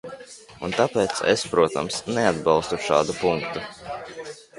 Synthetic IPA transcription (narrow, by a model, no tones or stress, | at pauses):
unt̪apɛːt̪sḛspɾuɔt̪a̰msnead̪̚bɑlˠst̪uʃa̰ːd̪upuŋkt̪u